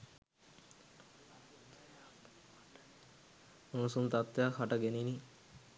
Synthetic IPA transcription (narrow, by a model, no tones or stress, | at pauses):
unusunt̪at̪ːejakʰaʈaɡenini